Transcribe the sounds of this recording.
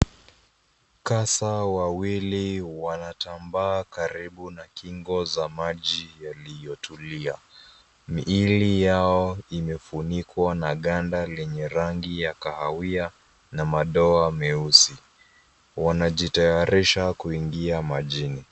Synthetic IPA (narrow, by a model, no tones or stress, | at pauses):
kasawawiliwanatambaːkaɾiɓunakiŋɡɔzamaʄijalijɔtulia | miʔilijaɔimɛfunikwanaɠandalɛɲɛɾaŋɡijakahawia | namaɗɔamɛusi | wanaʄitɛaɾʔiʃakuiŋɡiamaʄini